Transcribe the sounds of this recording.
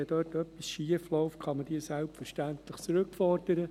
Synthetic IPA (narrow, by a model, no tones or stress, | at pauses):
ɛdøːtœpisʃiəflɔʊftkχɑməd̥iːəsælptfəɾʃtænt̪ləχt͡səɾɵkfɔrd̥əɾə